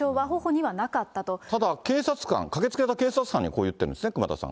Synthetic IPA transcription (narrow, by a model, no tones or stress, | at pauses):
o̞ːβaɦo̞ho̞ɲ̟iβanakat̪ːat̪o̞t̪ad̪ake̞ːsat͡sɨ̥kã̰ŋkake̞t͡sɨ̥ket̪ake̞ːsat͡sɨ̥kãɲ̟ːḭko̞ːjɯ̟t̪ːeɾɯ̟nd̪esɨnekɯ̟ma̰t̪a̰sã̰ŋ